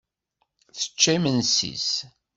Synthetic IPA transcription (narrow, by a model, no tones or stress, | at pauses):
θə̥t͡ʃːimənsḭs